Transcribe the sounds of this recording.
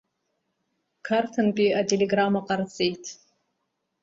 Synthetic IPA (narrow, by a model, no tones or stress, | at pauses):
kʰartʰɨnpʼiatʰeleɡramaqart͡sʼejtʰʼ